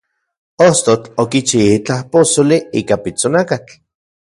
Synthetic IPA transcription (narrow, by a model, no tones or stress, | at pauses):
ost̪ot͡ɬokit͡ʃiit͡ɬahposoliiːkapit͡sonakat͡ɬ